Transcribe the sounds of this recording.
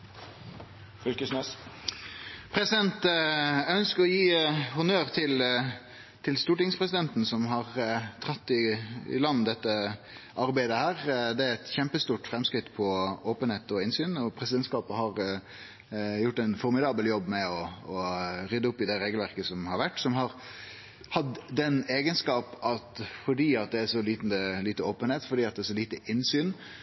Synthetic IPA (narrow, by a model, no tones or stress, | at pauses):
fʏlkəsnɛs | pʰɾɛsɪd̪ɛnt̪œœnskəɾɔjiːhʊnøːɾt̪ʰɪl | t̪ʰɪlst̪uːʈɪŋspʰʁɛs̬ɪd̪ɛnt̪n̩sɔmɦɑʁt̪ʰʁɑt̪ːɪɪ̰lɑnːd̪ɛt̪ːə | ʔɑɾbæɪd̪əhæːʁd̪ɛæɾɛt̪çɛmpəst̪uːʈfɾɛmskɾɪt̪pʰɔoːpənheːt̪ɔɪnsyːnɔpʰɾɛsɪd̪ɛnt̪skɑːpəhɑɾ | jʊʈːæɪnfɔɾmɪd̪ɑːbəljɔbːmɛɔɔɾʏd̪əʊpːɪd̪ɛɾeːɡəlʋæɾkəsɔmhɑɾʋæʈːsɔmɦɑɾ | hɑd̪d̪ɛneːɡənskɑːpɑt̪fɔɖiːɑt̪̚d̪ɛæʂɔliːt̪n̩d̪əliːt̪əoːpənheːt̪fɔɖiːɑt̪̚d̪ɛæɾʂsɔliːt̪əʔɪnsyːn